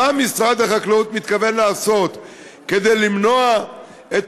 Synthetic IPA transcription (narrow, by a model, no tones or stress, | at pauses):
amisʁad̪haχaklaut̪mit̪kave̞nlaːso̞t̪ | ke̞d̪ejlimno̞a | et̪